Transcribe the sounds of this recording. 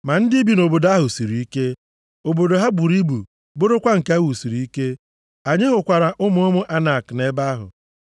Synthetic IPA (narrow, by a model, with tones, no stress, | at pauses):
ma˨n̩˦di˦bi˨no˨bo˨da˦ɦʊ˨si˨ɾi˨i˦ke˦ | o˨bo˨do˨ɦa˦bu˨ɾi˦bu˨ | bʊ˦ɾʊ˦kʷa˦ŋ̩˨ka˦wu˨si˨ɾi˨i˦ke˦ | a˨ɲe˦ɦʊ˨kʷa˨ɾa˨ʔʊ˦mʊ˦ʊ˦mʊ˦ʔa˦na˨kne˦ba˦ɦʊ̰˨